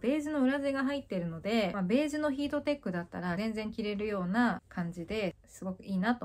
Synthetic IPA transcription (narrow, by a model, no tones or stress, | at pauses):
be̞ːzino̞ɯ̟ɾaze̞ɡaɦait̪ːe̞ɾɯ̟no̞d̪e̞mabe̞ːʑino̞çiːt̪o̞t̪e̞kːɯ̟d̪at̪ːa̰ɾazẽ̞nd͡zẽ̞ŋkʲiɾe̞ɾɯ̟jo̞ːnakʰãɲ̟d͡ʑid̪e̞sɨɡo̞kɯ̟iːnat̪o̞